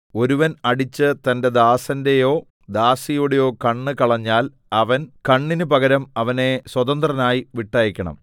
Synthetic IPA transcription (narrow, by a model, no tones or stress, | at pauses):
o̞ɾuʋɐnɐɽit͡ɕːɨt̪ɐnde̞d̪aːsɐnde̞jo̞ː | d̪aːsijuːɽejo̞ːkɐɳːɨkɐɭɐɲːaːl | ɐʋɐnkɐɳːinɨpɐɣɐɾɐmɐʋɐne̞swɐd̪ɐnd̪rɐnaːjiʋiʈːɐːjɐkʲːɐɳɐ̰m